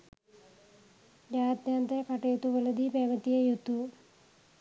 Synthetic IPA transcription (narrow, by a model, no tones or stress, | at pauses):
d͡ʒaːd̪jaːnt̪ekɐʈɐjut̪ːuʋɐlɐd̪ipeːmɐt̪ːijejut̪ːu